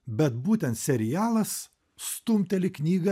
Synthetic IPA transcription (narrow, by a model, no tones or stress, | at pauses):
bʲɛt̪buːt̪ʲɛnt̪sʲɛɾʲɪjæːlˠɐs | st̪ʊmʲt̪ʲɛlʲɪknʲiːɡɐ